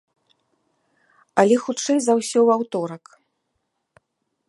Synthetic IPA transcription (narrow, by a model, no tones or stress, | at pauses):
ɐlʲɛxutt͡ʂɛjzawsʲɔwawt̪ɔɾɐk